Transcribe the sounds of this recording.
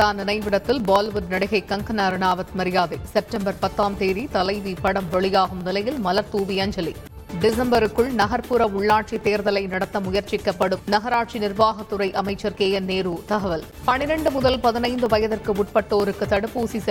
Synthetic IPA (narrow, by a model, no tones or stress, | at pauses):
aːnɪnɐɪʋɪɽɐt̪ːɪlbaːlʋʊɾnɐɽɪɣɐɪkːɐŋkɐnɐɾɯnaːʋɐt̪mɐɾɪjaːðɐɪsɛp̚ʈɐmbɐɾpɐt̪ːaːmt̪eːɾit̪ɐlɐɪʋipɐɽɐmʋɛɭɪjaːɣɯmnɪlɐjɪlmɐlɐɾt̪uːʋɪjɐɲd͡ʒɐli | ɖɪsɐmbɐɾɯkːɯɭnɐɣɐɾpɯɾɐʊɭːaːʈt͡ʃit̪eːɾðɐlɐɪnɐɽɐt̪ːɐmʊjɐɾt͡ʃɪkːɐpːɐɽɯmnɐɣɐɾaːʈt͡ʃinɪrʋaːɣɐt̪ːɯɾɐɪʔɐmɐɪt͡ʃːɐɾkeːjɐneːɾuːt̪ɐɣɐʋɐl | pɐnɪɾɐɳɖɯmʊðɐlpɐðɪnɐɪnd̪ɯʋɐjɐðɐrkɯʊʈ̚pɐʈːoːɾɯkːɯt̪ːɐɽɯpːuːsisɛ